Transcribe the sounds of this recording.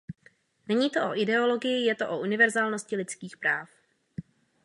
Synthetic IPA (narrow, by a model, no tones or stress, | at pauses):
nɛɲiːt̪o̞ʔo̞ʔɪdɛo̞lo̞ɡɪjɪjɛt̪o̞ʔoʔunɪvɛɾzaːlno̞scɪlɪt͡skiːxpɾaːf